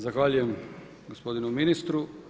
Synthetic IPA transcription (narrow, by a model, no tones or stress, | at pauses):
zaxʋaːʎujɛm | ɡospod̪inuminist̪ɾu